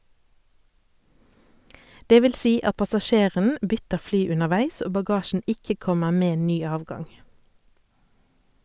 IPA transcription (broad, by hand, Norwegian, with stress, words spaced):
ˈdeː ˈʋɪl ˈsiː ˈɑt pɑsɑˈʃeːʁən ˈbʏtəʁ ˈflyː ʉnəʁˈʋæɪs ˈoː bɑˈɡɑːʃn̩ ˈɪkə ˈkɔməʁ ˈmeː ˈnyː ˈɑːʋɡɑŋ